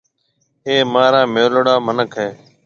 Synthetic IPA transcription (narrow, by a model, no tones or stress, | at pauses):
ɦeːmãːɾãːmoːlɽaːmənəkʰɦeː